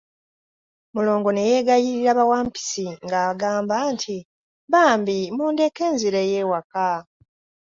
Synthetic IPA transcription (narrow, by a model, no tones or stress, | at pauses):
mulo̞ːŋɡo̞ne̞je̞ːɡajiɾiɾaβawaːmpi̥siŋɡaːɡaːmbantʰi | βaːmbimuːnde̞ke̞ːnziɾejewaka